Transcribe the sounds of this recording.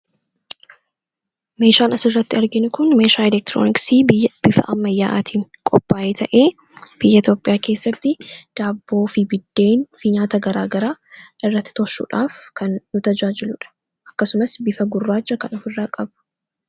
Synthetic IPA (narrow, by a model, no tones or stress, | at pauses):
me̞ːʃaːnɐsɪrːɐt̪ːɪɐɾɡɪnʊkʊnme̞ːʃaːɛlɛk̚t̪ɾo̰nɪksiːbɪjːɐb̥ɪfɐ̰ʔɐmːɐjːaːʔaːt̪ʰiːŋkʼɔpːaːʔeːt̪ʰɐʔe̞ː | b̥ɪjːɐɪt̪ʲjo̞ːpʼːɪjaːke̞ːsːɐt̪ːɪd̪̥aːbːo̞ːfibɪd̪ːe̞ːnfiɲaːt̪ɐɡɐɾa̰ːɡɐɾaːʔɪrːɐt̪ːɪ̥t̪ɔʃːṵːᶑaːfkɐnːʊt̪ɐd͡ʒaːd͡ʒɪlʊᶑɐ̥ | ʔɐkːɐsʊmɐsbɪfɐɡʊrːaːt͡ʃːɐkɐnɔfɪrːaːkʼɐbɐ̥